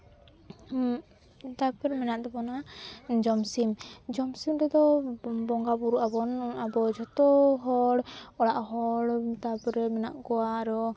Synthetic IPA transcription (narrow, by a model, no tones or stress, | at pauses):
t̪apɾɛmɛnaʔd̪ɛbɔnad͡ʒɔmsimd͡ʒɔmsimɾɛd̪ɔbɔŋɡabuɾuʔabɔnabɔd͡ʒɔt̪ɔɦɔɽɔɽaʔɦɔɽt̪apɾɛmɛna̰ʔkɔwaːɾɔ